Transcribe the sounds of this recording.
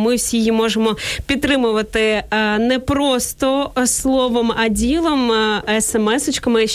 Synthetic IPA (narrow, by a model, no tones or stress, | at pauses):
mɪwsʲijimɔʒemɔpʲid̪t̪ːɾɪmʊʋɐt̪ɪnɛpɾɔst̪ɔslˠɔʋɔmɐdʲilˠɐmɛsɛmɛsɪt͡ʃkɐmɪ